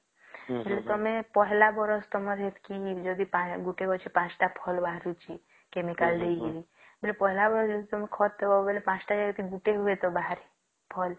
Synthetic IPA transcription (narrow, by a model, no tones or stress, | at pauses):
belet̪ɔmẽpɔɦlabɔɾɔst̪ɔmɔɾɦet̪ʰkid͡ʒɔd̪ipãɡuʈekɔt͡ʃʰipãt͡ʃʈapʰɔlbaɦɾut͡ʃʰi | kemikald̪eiɡili | belepɔɦlabɔɾsɔd̪it̪ɔmẽkʰɔt̪̚ebabelepãt͡ʃʈad͡ʒaɡt̪iɡuʈeɦuet̪ɔbaɦɾe | pʰɔl